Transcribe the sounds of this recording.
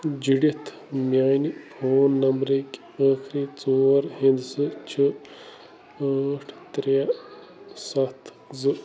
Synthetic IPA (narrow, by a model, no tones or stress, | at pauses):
d͡ʒiɖit̪ʰ | mʲaːjnipʰoːnːɐmbɾekʲ | əːkʰɾit͡soːɾɦind̪sɨt͡ʃʰi | aːʈʰt̪ɾea | sɐt̪ʰ | zɨ